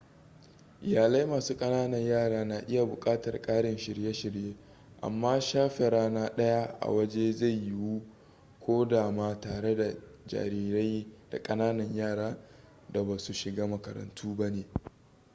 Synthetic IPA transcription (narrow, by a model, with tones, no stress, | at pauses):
ʔɪ˨jaː˨la˦jmaː˨suː˦kʼɐ˦naː˦nɐ˨ɲjaː˦˨ɽaː˦na˨ʔɪ˦ja˨bʊ˨kʼaː˦tɐ˨rkʼaː˦ɽɪ˨nʃɪ˨ɾje˦ʃɪ˨ɾjeː˦ | ʔa̰˨mːaː˦ʃaː˦ɸe˨ɾaː˦naː˦ɗɐ˦ja˦ʔa̰˨wɐ˦d͡ʒe˦za˦˨jːɪ˦wu˦ | kʷoː˦daː˨maː˦taː˨ɽe˦da˨d͡ʒa̰ː˨ɾiː˦ɾa˦jd̥a̰˨kʼɐ˦naː˦nɐ˨ɲjaː˦˨ɽaː˦ | da˨baː˨su˨ʃɪ˨ɡaː˦mɐ˨kɐ̰˨ɾɐ̰˨ntʰuː˦ba˦neː˨